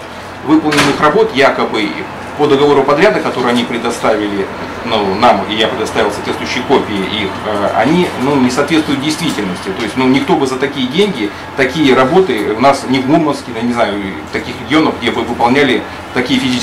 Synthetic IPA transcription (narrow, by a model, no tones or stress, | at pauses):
vɨpəlˠnʲɪnːɨxrɐbo̞t̪jakəbɨ̰ | pəd̪əɡɐvo̞ɾʊpɐd̪ɾʲad̪əkɐt̪o̞ɾɨɪɐnʲipɾʲɪd̪ɐst̪avʲɪlʲɪ | nunamḭjapɾʲɪd̪ɐst̪avʲɪlˠsɐt̪vʲet̪t̪vʊjʉɕːɪjəko̞pʲɪɪʔixəɐ̰nʲinunʲɪsɐːt̪vʲet̪t̪vʊjt̪̚dʲɪjst̪vʲitʲɪlʲnəsʲtʲɪt̪o̞jɪsʲtʲnunʲɪkt̪o̞bɨzət̪ɐkʲijədʲenʲɡʲɪ | t̪ɐkʲijəɾɐbo̞t̪ɨʊnasnʲɪvmumənskʲɪnjnʲɪznajʊ | t̪ɐkʲixɾʲɪɡʲɪo̞nəvɡ̚dʲevɨvɨpɐlˠnʲælʲɪ | t̪ɐkʲijəfʲɪzʲit͡ʃ